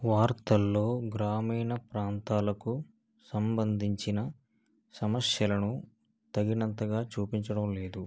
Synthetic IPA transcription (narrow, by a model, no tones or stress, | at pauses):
ʋaːɾt̪ɐlːo̞ːɡɾaːmiːnɐpɾaːnt̪aːlɐku | sɐmbɐnd̪ʱiɲt͡ʃinɐ | sɐmɐsjɐlɐnu | t̪ɐɡinɐnt̪ɐɡaːt͡ʃuːpiɲt͡ʃɐɽɐmle̞ːd̪u